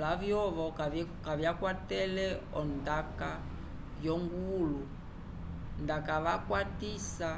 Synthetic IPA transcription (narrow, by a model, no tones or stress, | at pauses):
lavjɔʋɔkavjakwatɛlɛɔndaka | jɔŋɡulu | ndakaʋakwatisa